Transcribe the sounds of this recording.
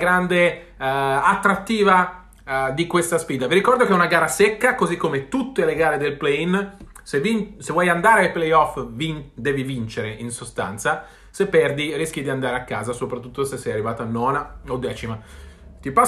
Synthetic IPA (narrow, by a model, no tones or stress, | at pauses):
ɡɾand̪e | at̪ːɾat̪ːiːva | d̪ikwest̪asfiːd̪aviɾikɔrd̪okeɛunaɡaːɾasekːakozikːomet̪ut̪ːeleɡaːɾed̪elplɛin | sevinsevwɔjand̪aːɾealplɛjɔfvind̪ɛːvivint͡ʃeɾeʔinsost̪a̰nt̪sa | sepːɛrd̪iɾisk̟id̪iand̪aːɾeakːaːzasopɾat̪ːut̪ːosesːɛjarːivaːt̪anːɔːnaod̪ːɛːt͡ʃimat̪ipa